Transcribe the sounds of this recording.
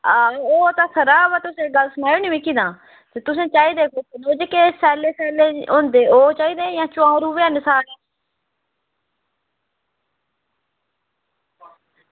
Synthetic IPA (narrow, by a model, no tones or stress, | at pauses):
aoːt̪ãːsʰəɾaːbaːt̪ʊsẽːɡəlsəmaːjoːnimĩːkiːd̪ãː | t̪eːt̪ʊs̬ẽːt͡ʃaːiːd̪eːkoːtːnoːd͡ʒekeːsɛːleːsɛːleːõːnd̪eːoːt͡ʃaːiːd̪eːjãːt͡ʃʊãːɾuːʋeanɪsaːleː